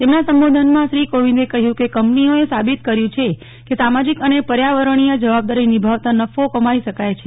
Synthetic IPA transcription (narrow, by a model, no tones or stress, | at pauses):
t̪emnasəmbod̪ʱənmãʃɾikoʋĩnd̪ekəɦjũkekəmpnioesabit̪kəɾjũt͡ʃʰe | kesamad͡ʒikənepəɾjaʋəɾəɳ̃ijad͡ʒəʋab̚d̪aɾinibʱaʋt̪anəfokəmaiʃəkajt͡ʃʰe